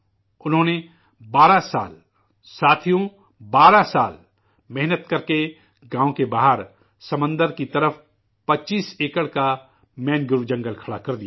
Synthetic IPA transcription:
ʊnɦõːne | baːɾasa̰ːl | saːt̪ʰijõ | baːɾasaːl | mɛɦnət̪kɐɾke | ɡãːõkebaːɦəɾ | sɐmə̃nd̪əɾkit̪ɐɾəf | pɐtːt͡ʃiːseːkəɽka | mɛ̃ːnɡʊɾʋd͡ʒə̃ŋɡəlkʰɐɽa̰kɐɾd̪ija

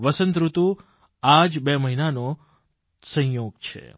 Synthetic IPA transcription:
ʋəsənt̪ɾut̪u | ad͡ʒbeməɦinano | sə̃joɡt͡ʃʰḛ

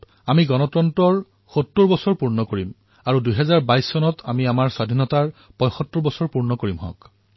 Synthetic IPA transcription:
amiɡɔnɔtɹɔntɔɹ | xotːuɹbɔsɔɹpuɹnɔkoɹim | aɹudujɦɛzaɹbajsːɔnɔtʰamiamaɹswadʱinɔtaɹ | pɔ̃jxɔtːʊɹbɔsɔɹpuɹnɔkoɹimɦɔ̰̃k

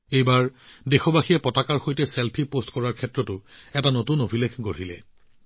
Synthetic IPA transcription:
ejbaɹdexobaxijɛpɔtakaɹxojtɛselpʰipostkɔɹaɹkʰɛtɹɔtʊɛtanotunobʱilekʰɡoɹilɛ̰

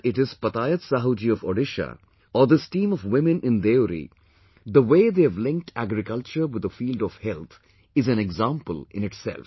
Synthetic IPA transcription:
ɪʈɪz̥pɐt̪aːjət̪saɦod͡ʒiɔfɔ̰ɖɪʃa̰ | ɔd̪əsʈĩːmɔʋwɪmɪ̃nɪ̃nd̪eoɾḭ | d̪əʋeːd̪eæʋlɪ̃ŋk̚ʈʰæ̰ɡɾɪkʌlt͡ʃəɾwɪd̪əfiːlɖɔʋhɛlt̪ʰ | ɪzæ̃nɛɡzãːmpəlɪ̰̃nɪʈsɛ̰lf

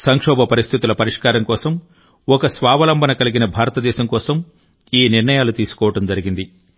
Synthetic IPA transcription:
sɐŋkʂɔːbʱɐpɐɾist̪ʰit̪ulɐpɐɾiʂkaːɾɐŋkɔːsɐm | ɔkɐsʋaːʋɐlɐmbʱɐnɐkɐliɡinɐbʱaːɾɐt̪ɐd̪ɛːʃɐmkɔːsɐm | iːniɾɳɐjaːlut̪iːsu̥kɔːʋɐʈɐmd͡ʒɐɾiɡind̪i

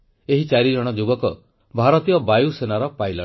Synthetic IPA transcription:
eɦit͡ʃaɾid͡ʒɔɽ̃ɔd͡ʒubɔkɔ | bʱaɾɔt̪ijɔbajusenaɾɔpajlɔ

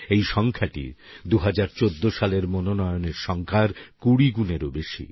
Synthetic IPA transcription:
ejʃɔŋkʰaʈḭd̪uɦad͡ʑaɾt͡ɕod̪ːoʃaleɾmononɔjoneɾʃɔŋkʰaɾkuɽiɡuneɾobeʃḭ

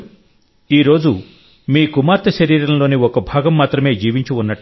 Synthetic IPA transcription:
iːɾo̞ːd͡ʒu | miːkumaːɾt̪ɐʃɐɾiːɾɐnɐlo̞ːniɔkɐbʱaːɡɐmːaːt̪ɾɐme̞ːd͡ʒiːʋiɲt͡ʃuunːɐʈː

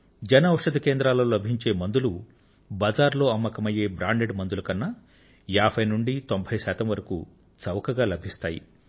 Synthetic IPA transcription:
d͡ʒɐnɐʋɐʂɐd̪ɐkeːnd̪ɾaːlɐːlɐbʱiɲt͡ʃe̞ːmɐnd̪ulu | bɐd͡ʒaːɾlo̞ːɐmːɐkɐmɐje̞ːbɾaːɳɖe̞ɖmɐnd̪ulɐkɐnːɐ | jaːbʰʱɐjnuɳɖit̪o̞mbʱɐjsaːt̪ɐmʋɐɾɐkṵ | t͡sɐʋɐkɐɡaːlɐbʱist̪aːjḭ

